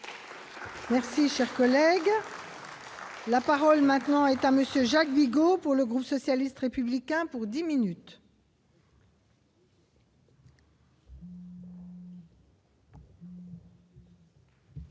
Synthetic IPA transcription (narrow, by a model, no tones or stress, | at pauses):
mɛʁsiʃɛʁkɔlɛɡ | lapaʁɔlmɛ̃t̪nɑ̃ɛt̪aməsjøʒak̚biɡopuʁləɡʁupsɔsjalist̪ʁepyblikʲɛ̃puʁd̪iminyt̪